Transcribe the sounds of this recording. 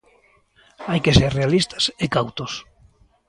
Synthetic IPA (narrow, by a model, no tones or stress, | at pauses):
ajkeseɾrealist̪ḁsekawt̪os